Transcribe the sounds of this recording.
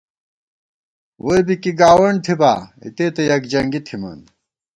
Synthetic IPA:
wojbikiɡaːwɐɳ̚t̪ʰibaːḭt̪eːt̪ɐjɐkd͡ʑɐŋɡit̪ʰimɐ̰n

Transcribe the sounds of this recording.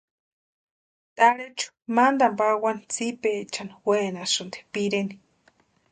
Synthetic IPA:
t̪ʼaɺet͡ʃʰu̥mand̪ampawanit͡sipet͡ʃaniwenasund̪e̥piɾeni̥

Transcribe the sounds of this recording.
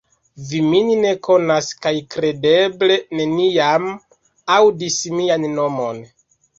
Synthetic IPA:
viminine̞kʰo̞naskajkɾe̞de̞ble̞ne̞niam | awdismianːo̞mo̞n

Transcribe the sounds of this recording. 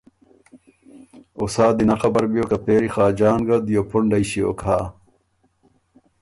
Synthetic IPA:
osaːd̪inɐxɐbɐɾbijoːkɐpeːɾixaːd͡ʑaːnɡɐd̪ijopuɳɖɐiɕio̰ːkʰaː

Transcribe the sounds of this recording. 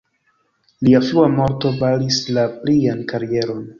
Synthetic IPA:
liafluamo̞ɾto̞balislapliankaɾije̞ɾo̞n

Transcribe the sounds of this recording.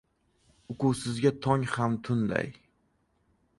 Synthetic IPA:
ʊkʊwsɪzɡʲat̪ʰɒŋhamt̪ʰʊnd̪a̰j

